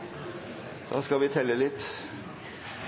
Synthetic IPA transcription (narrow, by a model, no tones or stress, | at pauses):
d̪̥ɑ̰ːskɑʋɪːt̪ʰɛlːəlɪt̪ː